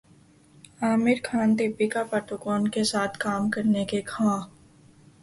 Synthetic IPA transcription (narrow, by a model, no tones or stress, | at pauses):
aːmɪɾkʰaːnt̪ibːikapət̪ʊkɔːnkesaːt̪ʰkaːmkɐɾnekekʰãː